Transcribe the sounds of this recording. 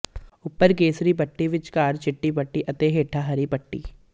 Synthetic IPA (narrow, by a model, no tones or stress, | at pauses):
ʊpːəɾk̬eːsɾipɐʈːiʋɪt͡ʃkaːɾt͡ʃɪʈːip̬ɐʈːiʔɐt̪eɦeːʈʰaɦɐɾipɐʈːḭː